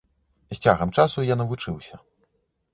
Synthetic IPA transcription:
sʲt͡sʲaɣɐmt͡ʂasujanɐvut͡ʂɨwsʲɐ

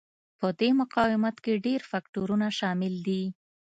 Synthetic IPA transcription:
pəd̪emʊqɑwɪmat̪keɖeɾfakʈoɾunaʃɑmɪld̪i

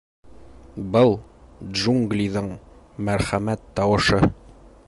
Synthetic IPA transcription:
bɤlˠdʒuŋɡlʲiðɤɴ | mæɾχæmæt̪ːɒwɤ̆ʃɤ

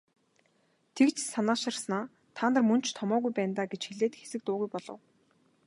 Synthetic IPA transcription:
t̪ʰekt͡ɕsanaːʃɪ̆rsnaː | t̪ʰaːnt̪ə̆rmɵn̥t͡ɕʰt̪ʰɔmɔːɣujpæːnt̪aːɡet͡ɕxeɮeːt̪ɘ̆xe̥sɘ̆k̚t̪ʊːɣujpɔɮɞ̰̆w

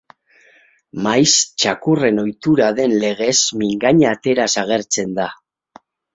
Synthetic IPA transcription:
majst͡ʃakure̞no̞jt̪uɾaðe̞nle̞ɣe̞smiŋɡaɲaːt̪e̞ɾasaɣ̞e̞ɾt͡se̞nd̪a

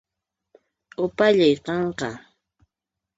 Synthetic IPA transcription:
ʊpaʎajqɑɴqɑ

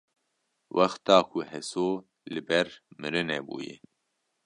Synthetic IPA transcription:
wʔɐxt̪ɑːkʰuhɛsoː | lɨbɛɾmɨɾɨnɛbṵːjḛ

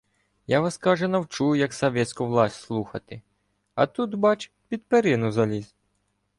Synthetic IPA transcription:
jaʋɑskɑʒɛnɐwt͡ʃujʊjɐksɔʋʲɛt̪ʲsʲkʊʋlˠɑsʲslˠuxɐt̪ɪ | ɐ̰t̪ut̪bɑt͡ʃ | pʲid̪peɾɪnʊzɐlʲizʲ

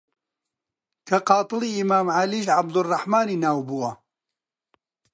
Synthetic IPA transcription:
kʰɐqɑːt̪ˤɨliːimaːmʕaliːʒʕabd̪ʊrˤːɑħmaːniːnaːwbuːɐ

